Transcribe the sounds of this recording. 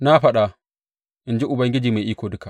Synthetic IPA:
na˦ɸɐ˦ɗa˨ | ʔɪ˨nd͡ʒi˦ʔʊ˨bɐ˦ŋɡʲɪ˦d͡ʒiː˨ma˨ʔiː˦kʷoː˨dʊ˦ka˨

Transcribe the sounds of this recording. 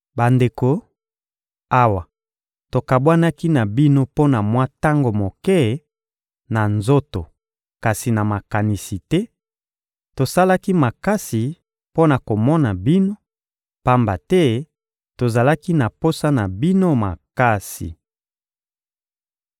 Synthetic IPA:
ba˨nde˨ko˨ | a˦wa˨ | to˨ka˨bwa˦na˦ki˦na˨bi˦no˦po˦na˨mwa˦ta˦ŋɡo˨mo˨kɛ˦ | na˨nzo˦to˨ | ka˨si˨na˨ma˨ka˨ni˨si˨tɛ˦ | to˨sa˦la˦ki˦ma˨ka˦si˨ | po˦na˨ko˨mɔ˦na˨bi˦no˦ | pa˦mba˨tɛ˦ | to˨za˨la˦ki˦na˨po˦sa˦na˨bi˦no˦ma̰˨ka˦sḭ˨

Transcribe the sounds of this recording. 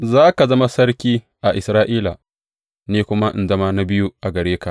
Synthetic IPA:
zaː˦ka˨zɐ˦ma˦sɐ˦ɾkʲiː˦ | ʔa˨ʔɪ˨sɾaː˦ʔiː˦la˨ | neː˦kʷʊ˦ma˦ʔɪ̰˨nzɐ˦ma˦na˦bɪ˦ju˦ʔa˨ɡɐ˨ɽeː˦ka˨ʔ

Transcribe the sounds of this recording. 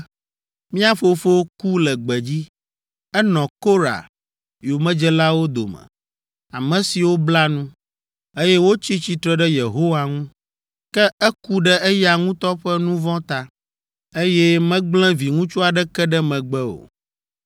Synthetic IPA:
mĩ˦a˦fo˨fo˦ku˦lɛ˨ɡ͡bɛ˨d͡ʑi˦ | ɛ˦nɔ̃˨ko˦ɾa̰˨ | jo˨mɛ̃˦d͡ʒɛ˦la˦wo˦d̪o̰˨mɛ̰˨ | a˨mɛ̃˨si˨wo˦bla˦nũ˦ | e˦jɛ˦wo˦t͡ɕi˦t͡ɕi˨t̪ɾɛ˨ɖɛ˦je˨ɦo˦wa˨ŋũ˦ | kɛ˦ɛ˦ku˦ɖɛ˦e˦ja˨ŋũ˦t̪ɔ˦ɸɛ˦nũ˦vɔ̃˦t̪a˦ | e˦jɛ˦mɛ̃˦ɡ͡blɛ̃˦vi˨ŋũ˦t͡ʃu˦a˨ɖɛ˦kɛ˦ɖɛ˦mɛ̃˨ɡ͡bɛ˦o̰˨

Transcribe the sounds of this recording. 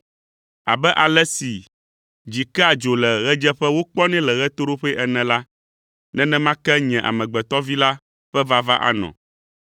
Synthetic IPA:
a̰˨bɛ˦ʔa˨lɛ˦si˨ | d͡ʑi˨kɛ˦a˨d͡ʒo˨lɛ˨ɣɛ˦d͡ʒɛ˦ɸɛ˦wo˦k͡pɔ˦nɛ̃˦lɛ˨ɣɛ˦t̪o˦ɾo˦ɸɛ˦ʔɛ˨nɛ̃˨la˦ | nɛ̃˦nɛ̃˦mã˦kɛ˦ɲɛ̃˨ʔa̰˨mɛ̃˨ɡ͡bɛ˨t̪ɔ˦vi˦la˦ | ɸɛ˦va˦va˦ʔa̰˦nɔ̰̃˨

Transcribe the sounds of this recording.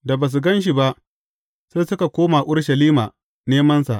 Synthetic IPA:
da˨baː˨s̬u˨ɡɐ˦nʃi˨ba˦ʔ | sa˦sʊ˦ka˨kʷoː˦ma˨ʔʊ˦ɽʃɐ˨liː˦ma̰˨ | neː˦mɐ˦nsa̰˨ʔ

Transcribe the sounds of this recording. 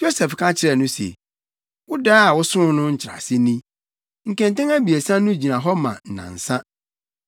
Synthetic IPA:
d͡ʑo˦sɛ˨fkʰã˦t͡ɕʰɪ˦ɾɛ˨nʊ̃˦sḛ˨ | wʊ˦daː˦a˨wʊ˦sʊ̃˦nʊ̃˦ɲ̩˦t͡ɕʰɪ˨ɾa̰˨sɪ˦nĩ˦ | ŋ̩˨kɛ̃˨n˦tɛ̃˦ŋæ˦bi˨e˨sã˦nʊ̃˦d͡ʑi˨nã˨ɦɔ˦mã̰˨n̩˨nã̰˨n̩˨sã˦

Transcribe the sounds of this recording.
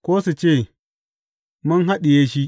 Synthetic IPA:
koː˦su˨t͡ʃeː˦˨ | mʊ˦nɦa˦ɗi˨jeː˦ʃi˦

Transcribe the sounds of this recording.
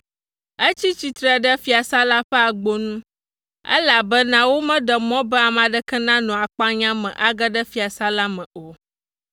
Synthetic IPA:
ə˦t͡ɕi˦t͡ɕi˨t̪ɾɛ˨ɖə˦fi˨a˨sa˦la˦ɸɛ˦a˨ɡ͡bo˦nũ˦ | ɛ̰˦la˨bɛ˦nã˦wo˦mɛ̃˦ɖə˨mɔ̃˦bɛ˦a˨mã˨ɖə˦kɛ˦nã˦nɔ̃˨a˨k͡pa˦ɲã˦mɛ̰̃˨ʔa˨ɡə˦ɖə˦fi˨a˨sa˦la˦mɛ̃˨o˨

